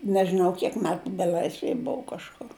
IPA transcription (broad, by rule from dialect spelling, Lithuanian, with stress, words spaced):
nʲɛʒʲɪˈnɐʊ kʲiɛk ˈmʲæːtʊ bʲɛˈlʲɐɪsʲʋʲɛj ˈbʊʋʊ kɐʃˈkʊr